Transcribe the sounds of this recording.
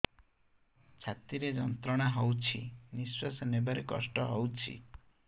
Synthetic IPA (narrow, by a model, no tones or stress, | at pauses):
t͡ʃʰat̪iɾed͡ʒɔnt̪ɾɔɽ̃aɦɔwt͡ʃʰiniswasɔnebaɾekɔ̰sʈɔɦowt͡ʃʰḭ